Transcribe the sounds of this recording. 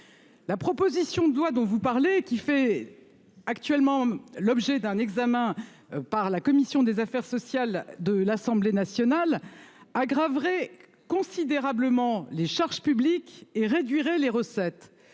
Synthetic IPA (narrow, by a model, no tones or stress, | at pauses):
lapχɔpozisjɔ̃d̪wad̪ɔ̃vupaʁlekʲifɛ | akt̪ɥɛlmɑ̃lɔbʒɛd̪ɛ̃nɛɡzamɛ̃ | paʁlakɔmisjɔ̃d̪ezafɛʁsɔsjald̪əlasɑ̃blenasjɔnalaɡʁavʁɛ | kɔ̃sid̪eʁabləmɑ̃leʃaʁʒpyblikeʁed̪ɥiʁɛleʁəsɛt̪